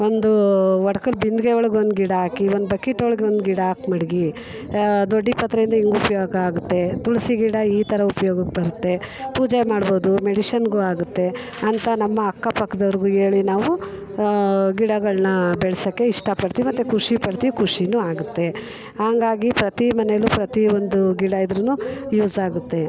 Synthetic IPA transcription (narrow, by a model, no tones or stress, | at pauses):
o̞nd̪uʋɐɽɐkɐlbind̪ɡeoɭɐɡeond̪uɡiɽɐɦaːkiond̪ubɐkːiʈoɭɡeo̞nd̪uɡiɽɐaːkmɐɽiɡi | d̪oɖːipɐt̪ːɾɐjind̪ɐiŋɡupɐjoːɡɐaːɡut̪ːe̞t̪uɭsiɡiɽɐiːt̪ɐɾɐupɐjoːɡɐkːbɐɾut̪ːe̞puːd͡ʒɛjɐmaːɽboːd̪umeɽiʃɐnɡuːaːɡut̪ːe̞ | ɐnt̪ɐnɐmːɐːkːɐpɐkʰːɐd̪ɐʋɐɾiɡuːeːɭinaːʋu | ɡiɽɐɡɐɭnɐbɛɭsɐkːe̞iʂʈɐpɐɽt̪iʋimɐt̪ːekʰuʂipɐɽt̪iʋikʰuʂinuːaːɡut̪ːe̞ | haːŋɡaːɡipɾɐt̪imɐnejɐlːupɾɐt̪iond̪uɡiɽɐid̪ɾunuːjuːzaːɡut̪ːe̞